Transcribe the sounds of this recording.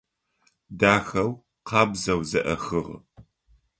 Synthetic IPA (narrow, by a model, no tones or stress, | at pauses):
daːxɐw | qʰɑːbzɐwzɐʔɐxɨʁ